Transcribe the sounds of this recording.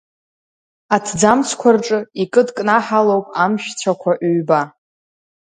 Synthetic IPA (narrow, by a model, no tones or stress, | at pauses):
atʰd͡zamt͡sʰkʷʰarʈ͡ʂʼɨikʼɨdkʼnaħalowpʼamʃᶣt͡sʷʰakʷʰaʔɥba